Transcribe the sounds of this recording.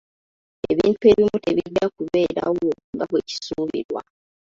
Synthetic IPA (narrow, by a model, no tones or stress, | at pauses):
eβiːntue̞βimute̞βiɟːakuβe̞ːɾa̰woŋɡaβweci̥suːβḭɾwa